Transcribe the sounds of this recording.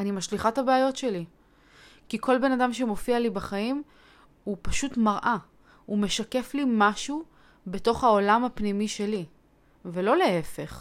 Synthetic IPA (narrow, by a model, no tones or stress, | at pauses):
animaʃliχathabeajo̞tʃe̞li | kikʰo̞lbe̞nadamʃemo̞fialibaχaim | upaʃutmaʁʔa | ume̞ʃake̞flimaʃu | be̞to̞χhao̞lamapnimiʃe̞li | velo̞le̞efe̞χ